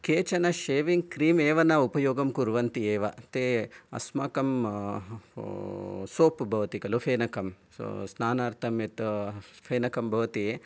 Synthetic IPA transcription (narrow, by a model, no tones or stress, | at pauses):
keːt͡ʃɐnɐʃeːʋiŋɡkɾiːmeːʋɐnɐupɐjoːɡɐmkuɾʋɐnt̪ieːʋɐ̰t̪eːɐ̰smaːkɐm | soːpbʱɐʋɐt̪ikɐlufʰeːnɐkɐm | snaːnaːɾt̪ʰɐmet̪pʰeːnɐkɐmbʱɐʋɐt̪ie